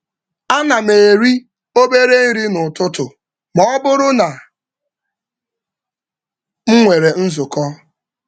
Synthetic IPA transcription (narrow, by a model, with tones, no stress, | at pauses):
a˦na˨me˨ɾi˦ | o˦be˦ɾe˦n̩˦ɾi˦nʊ˨tʊ˦tʊ˨ | mɔ˦bʊ˦ɾʊ˦na˨ | ŋ̩˦ŋʷe˨ɾe˨n̩˦zʊ˨kɔ˦